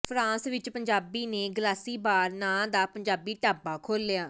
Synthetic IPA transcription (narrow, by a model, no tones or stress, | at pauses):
pʰɾãːsʋɪt͡ʃpəɲd͡ʒaːbiːneːɡəlaːsiːbaːɾnãːd̪aːpəɲd͡ʒaːbiːʈaːbaːkʰoːlːjaː